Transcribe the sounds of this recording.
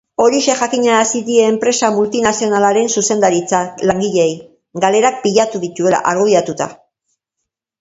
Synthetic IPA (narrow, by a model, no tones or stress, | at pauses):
o̞ɾiʃe̞xakiɲeɾasiðie̞ːmpɾe̞samult̪inasio̞nalaɾe̞nsuse̞nd̪aɾit͡salaŋɡiʎe̞j | ɡale̞ɾak̚piʎat̪uðit̪ue̞la̰ʔaɾɣujat̪ut̪a̰